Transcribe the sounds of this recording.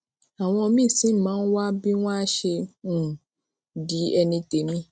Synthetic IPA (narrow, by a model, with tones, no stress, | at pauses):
a˨w̃ɔ̃˧ɔ˧mĩː˦˨sĩ˨˦mãː˨˦n̩˦wa˦bi˦w̃ɔ̃˦ʃẽ˧˨ | di˨˦ɛ˧nĩ˧te˨˦mĩ˦